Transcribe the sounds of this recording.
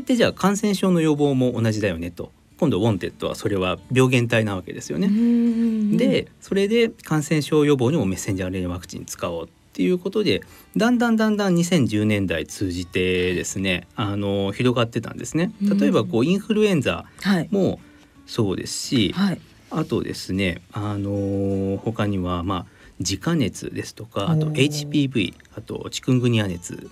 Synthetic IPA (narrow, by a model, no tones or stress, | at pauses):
et̪ːeʑaːkãɰ̃sẽ̞ɰ̃ɕo̞ːno̞jo̞bo̞ːmo̞ʔːnaʑid̪ajo̞̰ne̞t̪o̞̰ | kõ̞nd̪o̞bõ̞nt̪e̞t̪ːo̞̰βa̰so̞ɾe̞βabʲjo̞ːɡẽ̞nt̪ainaβ̞ake̞d̪e̞sɨjo̞̰ne | d̪e̞so̞ɾe̞d̪e̞kãɰ̃sẽ̞ɰ̃ɕo̞ːjo̞bo̞ːɲ̟imo̞me̞sːe̞ɲ̟d͡ʑaːɾɯiβakɯ̟̥t͡ɕḭ̃ɲt͡sɨ̥kao̞ːt̪ːe̞jɯ̟ːko̞t̪o̞d̪e̞d̪ãnd̪ãnd̪ãnd̪ãɲ̟isẽɲ̟d͡ʑɨːnẽ̞nd̪ait͡sɨːʑit̪e̞d̪e̞sɨne̞ano̞çiɾo̞ɡat̪ːe̞t̪ã̰nd̪e̞sɨne̞t̪at̪o̞e̞bako̞ːĩɰ̃ɸɯ̟ɾɯ̟ẽ̞nd͡za̰haimo̞ | so̞ːd̪e̞̰sɨ̥ɕihai | at̪o̞̰d̪e̞̰sɨne̞ano̞ho̞kaɲ̟iβama | d͡ʑikane̞t͡sɨ̰d̪e̞sɨ̥t̪o̞̥kaːt̪o̞̰e̞it͡ɕi̥pʲibɯ̟ḭ | at̪o̞̰t͡ɕi̥kɯ̃ŋɡɯ̟ɲ̟iane̞t͡sɨ̰